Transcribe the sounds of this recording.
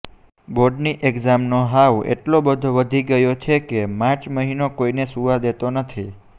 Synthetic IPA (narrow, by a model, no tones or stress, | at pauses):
boɾɖniʔeɡzamnoɦaʋḛʈlobəd̪ʱoʋəd̪ʱiɡəjot͡ʃʰekemãt͡ʃməɦinokoinesuʋad̪et̪onət̪ʰi